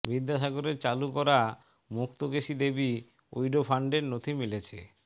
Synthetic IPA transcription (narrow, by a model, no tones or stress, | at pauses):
bid̪ʱːaʃaɡoɾeɾt͡ɕalukɔɾa | mukt̪oɡeʃid̪ebi | o̰jɖopʰaɳɖeɾnot̪ʰimilet͡ɕʰe